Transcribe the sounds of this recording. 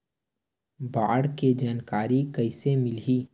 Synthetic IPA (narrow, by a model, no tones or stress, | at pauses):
baːɽked͡ʒaːnkaːɾikɐɪsemɪlɦiː